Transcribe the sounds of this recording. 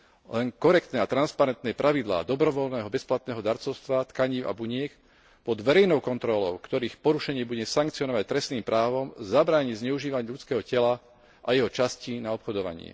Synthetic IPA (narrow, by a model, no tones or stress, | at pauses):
lɛŋkɔɾɛk̚t̪nɛːat̪ɾanspaɾɛnt̪nɛpɾʔaʋid̪la̰ːd̪ɔbɾɔʋɔlnɛːɦɔbɛsplat̪nɛːɦɔd̪aɾt͡sɔʊst̪ʋat̪kaɲiːʊa̰buɲɪɛk | pɔd̪ʋɛɾɛjnɔʊkɔnt̪ɾɔlɔʊkt̪ɔɾiːxpɔɾuʃɛɲɪɛbuɟɛsaŋkt͡siɔnɔʋac̚t̪ɾɛst̪niːmpɾaːʋɔmzabɾaːɲizɲɛuʒiːʋaɲʎut͡skɛːɦɔcɛla | ʔajɛɦɔt͡ʃascinaɔpxɔd̪ɔʋa̰ɲɪɛ̰